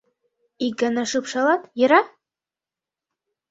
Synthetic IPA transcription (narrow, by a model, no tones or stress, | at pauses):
ik̚ɡɑnɑʃɯpʃɑlˠɑt̪jɘ̆ɾɑ